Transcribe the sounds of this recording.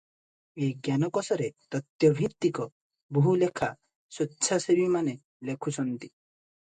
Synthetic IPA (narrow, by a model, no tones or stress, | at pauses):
eɡjanɔkɔsɔɾet̪ɔt̪jɔbʱit̪ːikɔ | buɦulekʰa | sɔtːt͡ʃʰasebimane | lekʰut͡ʃʰɔnt̪i̥